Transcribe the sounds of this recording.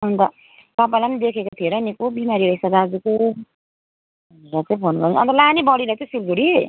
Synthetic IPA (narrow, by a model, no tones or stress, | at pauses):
ʌnt̪ʌ | t̪ʌp̬ajland̪ekʰekat̪ʰijeɾʌnikobimaɾiɾʌɦisʌɡad͡zuko | ɾat͡sʌ̃ĩpʰonɡaʌ̰nt̪ʌlanibʌɽiɾʌt͡sʌj̃silɡuɽie